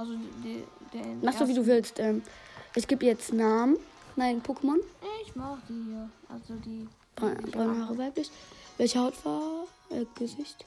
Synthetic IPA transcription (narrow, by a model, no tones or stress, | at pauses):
ʔalzodd̥maχsd̥uːviːduːvɪlstʔɛːmʔɪçɡ̥eːbəjɛt͡stnaːmən | naɪnpʰoːkʰəmɔnɪçmaχd̥iːhːɐʔa̰lzodiː | b̥bʁœnhaːʁəvaɪplɪçvɛlçəhaʊtv̥aː | ʔɛːɡ̥əzɪçt